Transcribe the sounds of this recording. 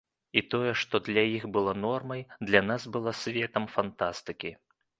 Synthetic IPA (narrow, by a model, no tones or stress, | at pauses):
it̪ɔjɛʂt̪ɔd̪lʲajixbɨlˠanɔrmɐjd̪lʲanasbɨlˠasʲvʲɛt̪ɐmfant̪ast̪ɨkʲi